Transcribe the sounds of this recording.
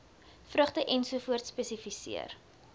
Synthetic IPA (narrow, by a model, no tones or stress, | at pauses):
frəχtəʔɛnsufuərt̪spɛsifisḭə̰r